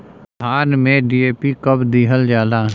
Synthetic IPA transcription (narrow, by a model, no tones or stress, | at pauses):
bʱaːnmẽɖiːeːpikəbd̪iːɦəld͡ʒaːlaː